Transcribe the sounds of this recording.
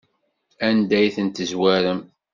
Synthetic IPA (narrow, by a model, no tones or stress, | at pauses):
ænd̪æjθənt̪əzwæɾəm